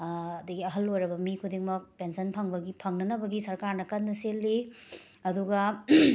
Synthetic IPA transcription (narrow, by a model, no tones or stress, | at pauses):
ɐdɐɡiɐɦɐlːojɾɐbɐmikʰudiŋmɐk̚pensɐnpʰɐŋbɐɡipʰɐŋnɐnɐbɐɡisɐɾkaɾnɐkɐnːɐselːi | ɐduɡɐ